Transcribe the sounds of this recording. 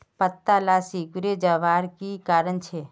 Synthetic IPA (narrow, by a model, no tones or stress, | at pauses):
pət̪ːalasikuɾed͡ʒaʋaːɾkikaːɾənt͡ʃʰeː